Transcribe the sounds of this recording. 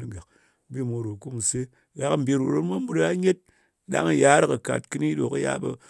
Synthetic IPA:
i˦ɡa˨k | bi˦˨mo˨ɾo˨ku˦mu˨se˦ | ɣa˨km̩˨bi˦˨ɾo˨ɾo˦tma˦bu˦ɾa˦ɲe˦t̚ | ɗa̰˦ŋɨ˨ja˦ɾɨ˦kə˨ka̰˨t̚kɨ˦ni˦ɗo˨kə˦ja̰˦bə˦˧

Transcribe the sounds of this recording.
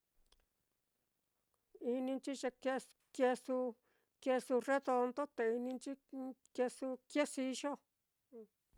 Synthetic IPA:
i˧nĩ˧nt͡ʃi˦ʃa˧ke˦ | ke˧su˧ | kje˧su˧re˦ðo˧nd̪o˦t̪e˧i˧nĩ˧nt͡ʃi˦ke˧su˧kje˦si˧ʃo˦˧˨

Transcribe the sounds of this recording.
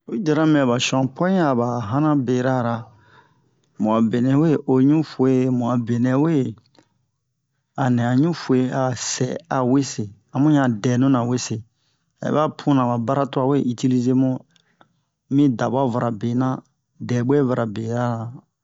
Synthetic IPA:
o˨˦i˦d͡ʒa˨ɾã˦mĩ˦a˨ba˨ʃɔ̃˨pɔ̃˦a˨ba˨ɦã˦nã˦be˨ɾa˦ɾa˨ | mũ˨a˨be˨nɛ̃˨we˦˨ʔo˨ɲũ˦fu˨e˦mũ˨a˨be˨nɛ̃˨we˦ | a˨nɛ̃˨a˨ɲũ˦fu˨e˦a˨sɛ˨a˨we˦se˨ | a˨mũ˦ɲã˦˨dɛ˨nũ˦nã˨we˦se˨ | a̰˨ḛ˨ba˦pʰũ˦nã˨ba˨ba˦ɾa˦to˦a˨we˦ʔi˦ti˦li˦ze˦mõ˦ | mĩ˦da˨ba˦va˨ɾʔa˨be˨nã˦ | dɛ˨bɛ˦va˨ɾa˨be˨ɾa˦˨ɾa˨

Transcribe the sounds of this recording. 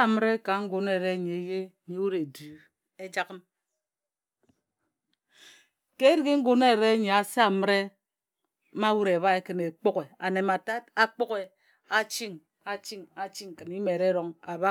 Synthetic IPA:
mə˦ɾe˦ka˨ŋ̩˦ɡo˨n˦e˨ɾe˦ɲe˨˦je˦ɲe˨˦wu˦ɾe˨du˨ | e˦d͡ʒa˦kə˦n | ke˦ɾi˦ɡe˦ŋ̩˦ɡo˨ne˦˨ɾe˦ɲe˨a˨sa˦˨mɨ˦ɾe˦ | ma˦wu˦ɾe˨βa˦e˦kɨ˨ne˨k͡po˦ke˨a̰˨ne˨ma˨ta˦ta˦k͡po˦ke˨ | a˨t͡ʃi˦ŋ | a˨t͡ʃi˦ŋa˨t͡ʃi˦ŋ̩˨kɨ˨ni˦me˨ɾe˦ɾo˦ŋa˨βa˦

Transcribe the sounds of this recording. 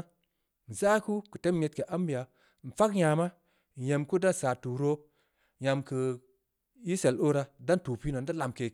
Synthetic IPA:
n̩˨za˦ku˦kɨ˨te˦mje˨˦t̚ke˨ʔa˦mbi˨ja˨ | n̩˨fa˦kɲa˨ma˦˨ | je˨mku˦da˦nsaː˨tu˨ɾo˦ | ja˨mkɨ˨ | ji˦se˨lo˦ɾa˧da˦ntu˨pi˦no˨n˦da˦la˨mke˨

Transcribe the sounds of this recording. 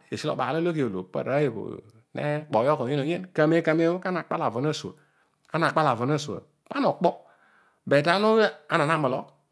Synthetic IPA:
e˨si˦lo̰˦˨ba˨le˦lo˦ɡi˨o˨lo̰˨pa̰˨ɾa˨˦je˨bo̰˨ | nḛ˦k͡po˨˦jo˦ko˨je˦no˨ɲe˦nka˨me˨˦ka˨me˨˦o˦ka˦a˨k͡pa˦la˨vo˨na˦su˨a̰˨ | a˦na˨k͡pa˦la˨vo˨na˦˨sa̰˨ | pa˦no˨k͡po˦ | be˨da˦nu˦a˨˦na˨na˦˨me˨lo˦

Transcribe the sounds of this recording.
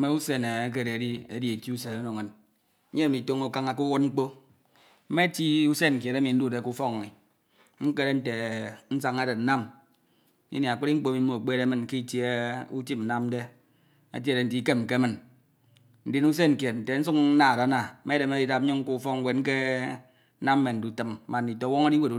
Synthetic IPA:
me˦u˦se˨ne˨e˦k̬e˦˨ɾe˨di˦ḛ˦˨di˨e˨ti˦u˦se˨o˦no˨ŋe˨n̩˦ | e˦e˦˨mi˨to˦ŋu˦ka˦ŋa˨ku˦wu˦ŋ͡m̩˦k͡po˦ | m̩˦me˦ti˦u˦se˦ŋ̩˨kje˨ɾe˦mi˨n̩˦du˦˨de˨ku˦fɔ˦kni˨ | ŋ͡m̩˦ke˦ɾe˦n̩˦te˨n̩˦sa˦ŋa˦de˨n̩˦a˦m˦ | ḭ˦ni˨a˨k͡pi˦ɾi˦ŋ͡m̩˦k͡po˦mi˨m̩˦o˨k͡pe˦ɾe˦mɨ˨nki˦˨tje˦u˦ti˦pn̩˨˦na˦m˦de˦ | a̰˨t̬i˦˨ɾe˨n̩˨ti˦ke˦m̩˨ke˦mɨ˨n | n̩˨di˨nu˦s̬e˦ŋ̩˨kje˨tn̩˨te˨n̩˦su˦k̩˦na˨da˨˦na˨m̩˦me˦de˨m˦e˦di˦da˨p̩̚˦ɲo˦ŋ̩˦ku˦fɔ˦kwe˨ŋ̩˦ke˦ | na˦m̩ː˦me˨n̩˨du˨tɨ˨m˦ma˨nː˨i˨to˨wɔ˦ŋa˦di˦we˨ɾu˨

